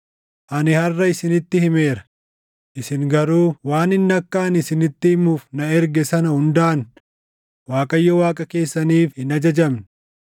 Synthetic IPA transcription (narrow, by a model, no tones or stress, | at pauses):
ʔɐnɪhɐrːɐɪsɪnɪt̪ːɪhɪme̞ːɾɐ̥ | ʔɪsɪŋɡɐɾuːwaːnɪnːɐkːaːnɪsɪnɪt̪ːɪhɪmuːfnɐɛɾɡɛsɐnɐhʊnd̪aːn | waːkʼɐjːɔwaːkʼɐke̞ːsːɐniːfhɪnɐd͡ʒɐd͡ʒɐmnɪ